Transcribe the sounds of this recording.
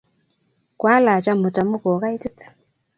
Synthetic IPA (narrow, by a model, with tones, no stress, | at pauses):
kwa˦la˨t͡ʃa˦mo˨ta˨mo˦kɔ˨ka˦i˦tɪ˦tḁ˨